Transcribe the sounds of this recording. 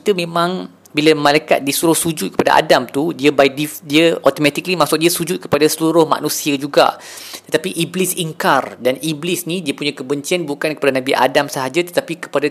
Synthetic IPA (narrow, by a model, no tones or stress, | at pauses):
kit̪umẽmãŋ | bilamãlajka̰t̪̚disuɾʊhsud͡ʒʊt̪̚kəpada̰ʔa̰damt̪udiəbaj̚difdiəʔɔt̪omɛ̃t̪iklimasʊk̚diəsud͡ʒʊt̪̚kə̥padasəluɾʊhma̰nũsiəd͡ʒuɡa̰ | t̪ət̪apiʔiblɪsiŋkardaniblisnidiəpuɲakəbəɲt͡ʃianbukankəpadanãbiʔa̰damsəɦad͡ʒat̪ə̥t̪apikə̥pada